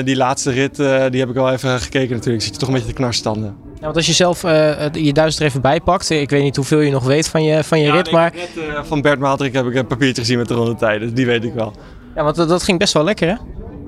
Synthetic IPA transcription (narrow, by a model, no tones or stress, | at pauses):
dilaːtstərɪtdiɦɛpɪkʋɛlˠevəχə̥kejkənatyːɹləksitjətɔχəbejəəknɑɹstɑndə | jaʋɑntɑsjəzɛlˠfəjədœɥsəstərejvəbɛjpɑktɪkʋejtnitɦuvɪːlˠjənɔχʋejtfɔnjəfɔnjərɪtmaːɹfɑnbɛɹtmaltrɪkɦɛpɪkənpapiːɹt͡ʃəχəzinmɛt̚dərɔndətɛjdədiʋejtɪkʋɛlˠ | jaːʋɑntdɑtχɪŋbɛstʋɛlˠɛkərɛ